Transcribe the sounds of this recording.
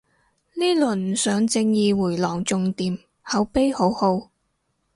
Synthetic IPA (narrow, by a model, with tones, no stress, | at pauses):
liː˥lɵ˨˩nm̩˨˩sœː˨˥ŋt͡sɪ˧ŋjiː˨˧wuː˨˩jlɔː˨˩ŋt͡sʊ˨˧ŋt̪iː˨m | hɐ˨˥wpe˥jho˨˥who˨˧w